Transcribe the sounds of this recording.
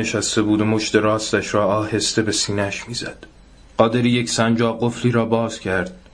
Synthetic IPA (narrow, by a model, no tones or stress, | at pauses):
eʃæst̪e̞buːd̪omo̞ʃt̪eɾɒːst̪æʃɾɒːɒːhe̞st̪e̞be̞siːnæʃmiːzæd̪̥ | ɢɒːd̪e̞ɾiːje̞csænd͡ʒɒːɢofliːɾɒːbɒːz̥cʰæɾd̪̥̚